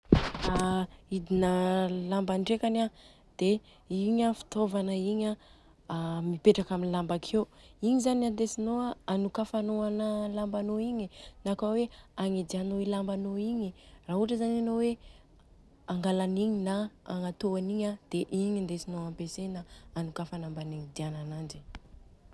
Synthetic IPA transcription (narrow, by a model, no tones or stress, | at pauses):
aid̪inəlambanɖ͡ʐekana | d̪̥e | iɲafi̥t̪ovanəiɲa | mipeʈ͡ʂakaminilambakʰewiɲizanand̪esinoaanukafanoanəlambanoiɲinakaweaŋid̪ianowelambanoiɲiraɦuʈ͡ʂəzananowe | aŋɡalaniɲinaːŋat̪oaniɲad̪̥eʔiɲand̪esinoampesenaanukafanambaniŋid̪iananand͡ʒi